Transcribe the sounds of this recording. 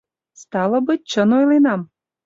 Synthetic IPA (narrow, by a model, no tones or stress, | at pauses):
st̪ɑlə̆bɨt̚ʲt͡ɕənojlinɑm